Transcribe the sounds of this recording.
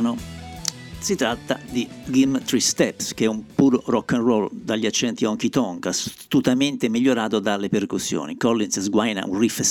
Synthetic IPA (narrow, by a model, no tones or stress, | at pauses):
no | sit̪ɾat̪ːad̪iɡimt̪ɾist̪ɛpsk̟eɛumpuːɾorɔkːanroːld̪aʎːiat͡ʃːɛnt̪iɔŋk̟it̪ɔŋkast̪ut̪ament̪emiʎːoɾaːt̪od̪alːeperkusːjo̰ːnḭkɔlːinszɡwajna̰ʔṵnrifs